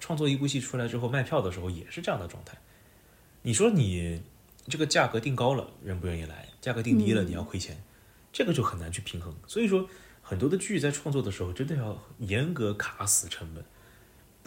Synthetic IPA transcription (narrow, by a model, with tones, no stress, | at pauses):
ʈ͡ʂʰwɑ˥˧ŋt͡swɔ˥˧i˥pu˥˧ɕi˥˩ʈ͡ʂʰu˥la˧˥ʈ͡ʂɻ̩˥xo˥˧ʊma˥˧ɪjɑ˥˩ʊd̪ə˩ʂɻ̩˧˥xo˥˧ʊjɛ̰˨˩ʂɻ̩˥˧ʈ͡ʂɤ˥˧jɑ˥˩ŋd̪ə˩ʈ͡ʂwɑ̰˥˧ŋt̪ʰa˥˩ɪ | ni˨˩ʂwɔ˥˧ni˨˩ | ʈ͡ʂɤ˥˩ɡə˩t͡ɕja˥˩kɤ˧˥t̪i˥˩ŋkɑ˥ʊlə̰˨ɻə˧˥npu˧˥ɥɛ˥˧ni˥˩la̰˧˥ɪt͡ɕja˥˩kɤ˧˥t̪i˥˩ŋt̪i˥lə˨ni˨˩jɑ˥˩ʊkʰe˥ɪt͡ɕʰjɛ˧˥n | ʈ͡ʂɤ˥˩ɡə˩t͡ɕjo˥˩ʊxə˨˩na˧˥nt͡ɕʰy˥˩pʰi˧˥ŋxɤ˧˥ŋswɔ˧˥i˨˩ʂwɔ˥xə˨˩nt̪wɔ˥d̪ə˧t͡ɕy˥˩t͡sa˥˧ɪʈ͡ʂʰwɑ˥˧ŋt͡swɔ˥˩d̪ə˩ʂɻ̩˧˥xo˥˧ʊʈ͡ʂə˥nd̪ə˧jɑ˥˩ʊjɛ˧˥nkɤ˧˥kʰa˧˥sɹ̩˨˩ʈ͡ʂʰə˧˥ŋpə˨˩˦n